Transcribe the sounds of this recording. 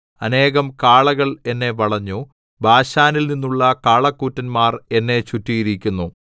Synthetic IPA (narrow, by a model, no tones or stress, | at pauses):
ɐne̞ːɣɐmkaːɭɐɣɐɭe̞nːe̞ʋɐɭɐɲːu | bʱaːɕaːnilninːuɭːɐkaːɭɐkːuːtːɐnmaːre̞nːe̞t͡ɕutːijiɾikʲːunːu